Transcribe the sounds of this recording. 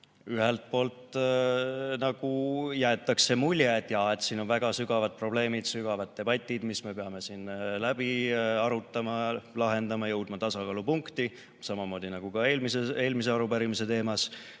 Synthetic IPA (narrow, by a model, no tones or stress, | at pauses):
yɦelt̪̚po̞ːlt̪ | nɑɡ̥ujæet̪ːˑɑkse̞mulʲjet̪jɑe̞t̪siːno̞nvæɡ̥ɑsyɡ̥ɑvɑd̪̥̚pro̞b̥le̞ːmid̪̥syɡ̥ɑvɑd̪̥̚ːe̞b̥ɑt̪ʲːˑid̪̥misme̞peɑme̞sinlæb̥iɑɾut̪ːˑɑmɑlɑɦe̞nd̪ɑmɑjɤwd̪̥mɑt̪ɑsɑkɑːlupuŋkt̪i | sɑmɑmo̞ːd̪̥ʲinɑɡ̥ukɑeːlmisee̞ːlmise̞ɑɾupæɾimise̞t̪e̞ːmɑs